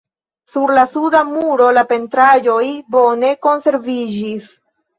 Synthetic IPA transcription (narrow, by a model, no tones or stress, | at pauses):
suɾlasudamuɾo̞lape̞ntɾad͡ʒo̞jbo̞ne̞ko̞nse̞ɾvid͡ʒis